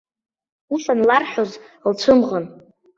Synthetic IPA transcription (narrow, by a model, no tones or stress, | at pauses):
usanlarħᶣoz | lt͡ʃʷʰɨmʁən